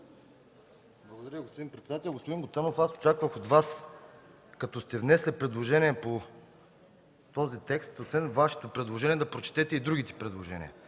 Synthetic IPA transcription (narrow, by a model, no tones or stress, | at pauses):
blˠɐɡod̪ɐɾʲjəiɡospod̪inpɾɛt̪sɛd̪at̪ɛlʲˠɡospod̪iŋɡot̪sanofaso̥t͡ʃakvəxod̪vas | kɐt̪ɔst̪ɛvnɛslipɾɛd̪lˠoʒɛnʲiɛpo | t̪ɔzit̪ɛkst̪osvɛnvaʃɛ̥t̪opɾɛd̪lˠoʒɛnʲiɛd̪ɐpɾot͡ʃɛ̥t̪ɛt̪ɛid̪ɾuɡ̟it̪i̥pɾɛd̪lˠoʒɛnḭə̰